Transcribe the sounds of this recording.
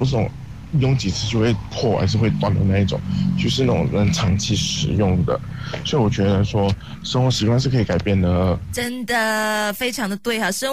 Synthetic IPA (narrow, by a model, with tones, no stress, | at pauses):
u˧˥ʂ̬̩˥˩ʊ̰˨˩ŋ | jʊ˥˧ŋt͡ɕi˨˩t͡sʰɹ̩˥˧t͡ɕjo˥˧ʊxwe˥˧ɪpʰɔ˥˩a̰˨˧˥ʂɻ̩˥˧xwe˥˧ɪt̪wa˥˩nd̪ə˧˩˦na˥˧i˥˩ʈ͡ʂʊ̰˨˩˦ŋt͡ɕo˥˧ʂ̬ɻ̩˥˧na˥˩ʊ˨˩ŋnə˧˥nʈ͡ʂʰɑ˧˥ŋt͡ɕʰi˥˩ʂɻ̩˧˥jʊ˥˩ŋd̪ə̰˩swɔ˧˥i˨wɔ˨˩t͡ɕɥɛ˧˥ə˧˩ʂwɔ˥ | ʂə˥ŋxwɔ˧˥ʂɻ̩˧˥kwa˥nʂɻ̩˥˩kʰɤ˧˥i˧ka˨˩ɪpjɛ˥˩nd̪ə˩ʈ͡ʂə˥nd̪ə˨˩fe˥ɪʈ͡ʂʰɑ˧˥ŋd̪ə˨t̪we˥˩ɪa˨˩ʂə˥